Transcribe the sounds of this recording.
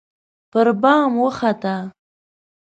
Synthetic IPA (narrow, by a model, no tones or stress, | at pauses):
pəɾbɑːmwəχat̪a